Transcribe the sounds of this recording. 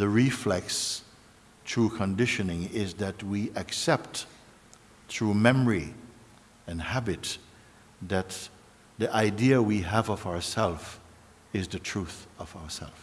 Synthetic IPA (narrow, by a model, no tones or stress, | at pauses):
ðɨɹiflɛks | tʰɹukʰə̃ndɪʃɨnɪ̃ŋɪzðɨt̚wiʔɨksɛp̚t | θɹumɛmə˞i | ɨ̃nhæbɨt̪ | ðɨt̪̚ | ðiʔaɪdiɨwiəvʌvaə˞sɛlˠf | ɪzðɨtʰɹ̥uθʌvaʊə˞sɛ̰lˠf